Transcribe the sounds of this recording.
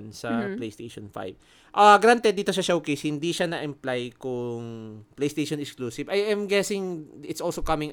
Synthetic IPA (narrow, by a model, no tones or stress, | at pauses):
nsɐplejst̪ejʃɔnfa̰jb̥ | ʔaɡɾant̪ɛd̪iːt̪oʃɐʃowkejshɪnd̪iʃanɐʔɐmplajkʊŋplejst̪ejʃonɛskluːsɪvɐjajmɡɛsɪŋɪt̪sʔolsokɐmɪ̃ŋ